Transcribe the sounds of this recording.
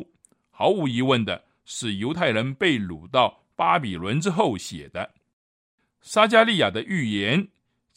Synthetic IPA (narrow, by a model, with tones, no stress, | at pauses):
xɑ˧˥ʊu˧˥i˧˥wə˥˩nd̪ə̰˩ | ʂɻ̩˥˩jo˧˥ʊt̪ʰa˥˩ɪɻə˧˥npe˥˩ɪlṵ˨˩t̪ɑ˥˩ʊ | pa˥pi˨˩lwə˧˥nʈ͡ʂɻ̩˥xo˥˩ʊɕjɛ̰˨˩d̪ə˦ | sa˥t͡ɕja˥˧li˥˩ja˨˩d̪ə˦ʔy˥˩jɛ˧˥n